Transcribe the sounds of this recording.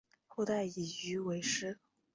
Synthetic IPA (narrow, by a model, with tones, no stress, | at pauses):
xo˥˧ʊt̪a˥˩ɪi˨˩y˧˥we˧˥ɪʂɻ̩˥